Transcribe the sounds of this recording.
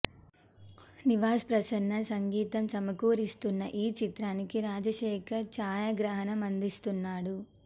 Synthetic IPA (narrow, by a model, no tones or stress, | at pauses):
niʋaːspɾɐsɐnːɐsɐŋɡiːt̪ɐmt͡ʃɐmɐkuːɾist̪unːɐʔiːt͡ʃit̪ɾaːnikiɾaːd͡ʒɐʃɛːkʰɐɾt͡ʃaːjɐɡɾɐɦɐnɐmɐnd̪ist̪unːaːɽu